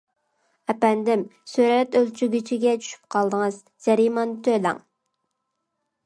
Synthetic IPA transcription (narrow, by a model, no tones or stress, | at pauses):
ɛpɛnd̪ɪmsyɾɛt̪ølt͡ʃʰyɡʲyt͡ʃʰiɡʲɛt͡ʃʰy̥ʃy̥p̚qʰɑlˠd̪əŋɨz | d͡ʒɛɾimɑnt̪ʰølæ̰ŋ